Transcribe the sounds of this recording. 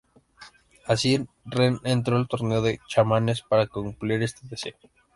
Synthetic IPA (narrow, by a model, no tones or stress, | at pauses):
asi | renent̪ɾo̞elt̪o̞ɾne̞o̞ðe̞t͡ʃamane̞spaɾakumpliɾe̞st̪eðesḛo